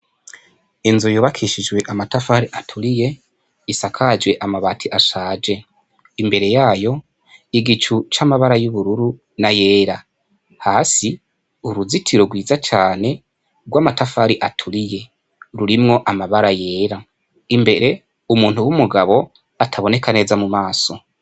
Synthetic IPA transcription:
inzujoːβakʰiʃid͡ʒwe̞ʔamatafaɾiʔatʰuɾije̞ | isakʰad͡ʒwe̞ʔamaβatʰiʔaʃaːd͡ʒe̞ | imbe̞ɾe̞jaːjo̞ | iɡit͡ʃut͡ʃamaβaɾajuβuɾuɾu | naje̞ːɾa | haːsi | uɾuzitʰiɾoɡwiːzat͡ʃaːne̞ | ɡwaːmatafaːɾiʔatʰuɾije̞ | ɾuɾimŋo̞ʔamaβaɾaje̞ːɾa | imbe̞ɾe̞ | umuːn̥huwumuɡaβo̞ | atʰaβo̞ne̞kane̞ːzamumaːso̞

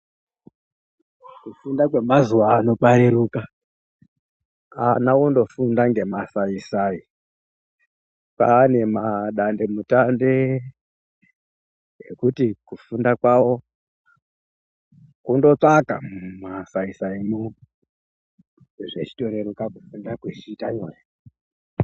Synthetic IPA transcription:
kufundakwe̞mazuwaːno̞ɓaɾeɾuːka | a̰naondo̞fundaŋɡe̞masaisai | paːne̞maɗande̞mutande | ḛkutikufundakwawo̞ | kundo̞t͡ʂaka̰mmasaisaimu | ʐe̞t͡ʃi̥to̞ɾe̞ɾukakufundakwet͡ʃiːtaɲoːja

